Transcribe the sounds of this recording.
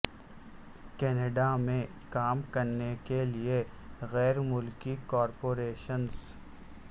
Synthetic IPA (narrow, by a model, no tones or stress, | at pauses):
kɛːneɖamẽ | kaːmkɐɾnekelie | ɣɛːɾmʊlkikɔːɾpoːɾeːʃəns